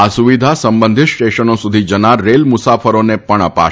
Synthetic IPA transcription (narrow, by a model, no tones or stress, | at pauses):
asuʋid̪ʱasəmbənd̪ʱit̪sʈeʃənosud̪ʱid͡ʒənaɾelmʊsafəɾonepəɳəpa̰